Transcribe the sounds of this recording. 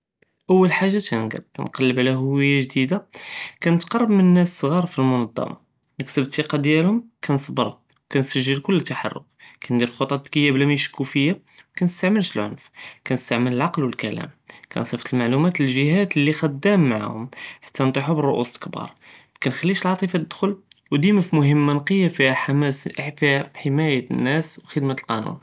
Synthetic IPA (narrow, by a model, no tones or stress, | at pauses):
ʔəwːəlħaʒːat̪ænɡə̰b̚kæ̰nqɑlːəbʕlæɦʊwəjːaʒd̪id̪akænət̪qɑrˤːəbmənnːæssˤɣɑɾˤfilmʊnɑd̪ˤːɑ̰mɑ̰ | nəksəbt̪ːiqɑd̪jælhʊmkʰænsˤbəɾˤ | wkænsəʒːəlkʊlːət̪ːaħɑ̰rˤːʊ̰k̚kænd̪iɾxot̪ˤɑt̪ɡəjːæblæmiʃkufəjːa | wkænəst̪aʕməlʃəlʕʊ̰nfkænəst̪aʕmələlʕɑqlwəlkælæ̰mkʰæ̰nsˤəft̪əlmaʕlumæt̪ləlʒəɦæt̪lːixəd̪ːæmːʕa̰hʊmħḁt̪ʰːænt̪ˤoħubərˤːoʔusəlkbɑ̰ɾˤ | kænxælːiʃəlʕɑt̪ˤifɑt̪əd̪xʊlwd̪iməfmʊɦəmːanqəjːafiħamæfiħəmæjənːæswxəd̪mat̪lqɑ̰nṵn